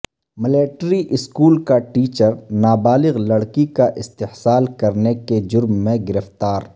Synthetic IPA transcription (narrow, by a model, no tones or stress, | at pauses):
mɪleːʈɾiʔɪskuːlkaʈiːt͡ʃəɾnaːbaːlɪɣlɐɽkikaʔɪst̪ɪhsaːlkɐɾneked͡ʒʊɾmːẽɡɪɾəft̪aːɾ